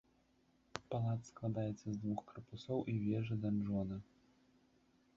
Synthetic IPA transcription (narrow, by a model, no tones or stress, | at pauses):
palˠat̪sklˠad̪ajɛt̪sːɐzd̪vuxkɐɾrpusɔwʔivʲɛʐɨd̪anʐɔd̪ɨ